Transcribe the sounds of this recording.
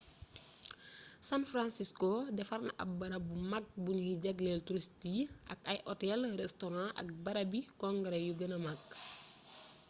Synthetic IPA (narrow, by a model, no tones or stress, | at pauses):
sanfɾansiskodɛfɐrnɐʔɐ̰bɐɾɐbumɐk̚bunhiɟɐɡlɛltuɾistiʔɐ̰kɐjʔɔtɛlrɛstɔɾãʔɐ̰k̚bɐɾɐbikɔŋɡəɾɛjuɡɐnɐmak